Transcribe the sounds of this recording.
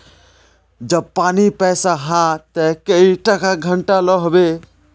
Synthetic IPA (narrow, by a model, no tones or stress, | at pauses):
d͡ʒəb̚panipɛsaɦãt̪ɛkeiʈəkaɡʱəɳʈaləɦbe